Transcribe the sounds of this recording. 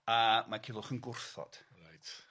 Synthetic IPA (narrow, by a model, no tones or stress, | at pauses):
amakʰɪlˠʊχənɡʊrθɔ̰d̥ɾajt